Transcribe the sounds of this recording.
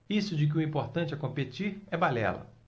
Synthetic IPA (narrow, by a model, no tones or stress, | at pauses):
isʊd͡ʒɪk̬ɪʊĩpoɾt̪ɐ̃nt͡ʃɪɛkõpet͡ʃiɾɛbalɛ̰lɐ̰